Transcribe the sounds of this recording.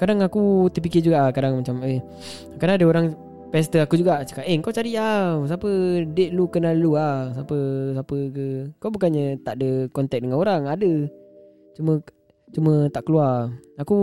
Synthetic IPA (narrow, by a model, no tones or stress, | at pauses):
kadaŋakut̪əp̬ikɪd͡ʒuɡaʔkadaŋmat͡ʃamə | kadaŋadəoɾaŋ | pɛst̪əakud͡ʒuɡaʔsə̥kaʔeŋkawt͡ʃaɾias̬apədeʔ̪lukənaluahsapəsapəkəkawbukanɲət̪aʔdəkɔnt̪ɛk̚dəŋanoɾaŋadə | t͡ʃumə | t͡ʃumə̃t̪aʔkəluaraku